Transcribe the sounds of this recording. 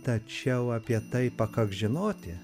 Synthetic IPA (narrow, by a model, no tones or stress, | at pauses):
t̪ɐt͡ʃʲɛʊɑːpʲiɛt̪ɐɪpɐkɐɡʒʲɪnoːt̪ʲɪ